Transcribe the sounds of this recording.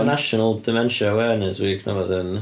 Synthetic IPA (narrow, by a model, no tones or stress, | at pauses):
naʃɔnəlˠdɪmɛnʃəəwɛɹnɛswikʰnə̰vɔðɪn